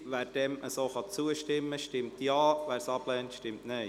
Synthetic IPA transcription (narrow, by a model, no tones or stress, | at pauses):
ʋæːɾd̥ɛmʔəsoːχɑt͡suəʃtɪmːəʃtɪmtjɑːʋæːɾsɑb̥lɛːntʃtɪmtnɛɪ